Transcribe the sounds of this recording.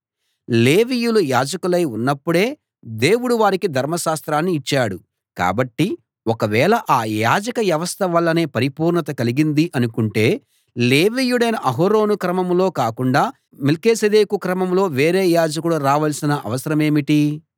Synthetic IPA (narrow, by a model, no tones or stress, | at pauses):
le̞ːʋiːjulujaːd͡ʒɐkulɐjunːɐpːuɽe̞ː | d̪e̞ːwuɽuʋaːɾikid̪ʱɐɾmɐʃaːst̪ɾaːnːiːt͡ʃːaːɽu | ka̰ːbɐʈːi | ɔkɐʋɛːɭɐʔaːjaːd͡ʒɐkɐʋjɐʋɐst̪ʰɐʋɐlːɐne̞ːpɐɾipuːɾɳɐt̪ɐkɐliɡind̪iʔɐnukuɳʈe̞ː | le̞ːʋiːjuɽɐjnɐʔɐɦoɾo̞ːnukɾɐmɐmlo̞ːkaːkuɳɖaː | melkeːsɐd̪eːkukɾɐmɐmlo̞ːʋe̞ːɾe̞ːjaːd͡ʒɐkuluɾaːʋɐlsinɐʔɐ̰ʋɐsɐɾɐme̞ːmiʈi